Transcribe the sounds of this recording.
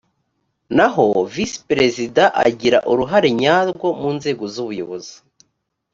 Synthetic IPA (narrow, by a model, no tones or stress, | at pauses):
naɦo̞vispɾe̞zidaʔa̰ɟiɾa̰ʔuɾuɦaɾe̞ɲaːzɡwomuːnze̞ːɡozuβujoβozi